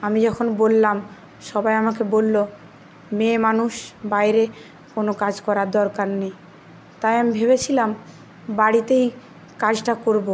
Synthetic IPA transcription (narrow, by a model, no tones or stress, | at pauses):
amid͡ʑɔkʰonbolːam | ʃɔbajamak̬ebolːo | memanuʃbajɾe | konokad͡ʑkɔɾad̪ɔɾkaɾnej | t̪ajamibʱeβet͡ɕʰilam | baɽit̪ej | kad͡ʑʈakoɾbo